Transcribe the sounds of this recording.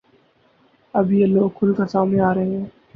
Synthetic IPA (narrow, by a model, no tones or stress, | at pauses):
əbʱjeːloːɡkʰʊlkasaːmneaːɾəɦeɦɛ̃ː